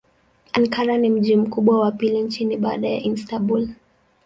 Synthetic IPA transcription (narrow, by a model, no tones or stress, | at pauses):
aŋkaɾanim̩ʄim̩kuɓwawapilint͡ʃiniɓaːɗaja̰ʔinstabul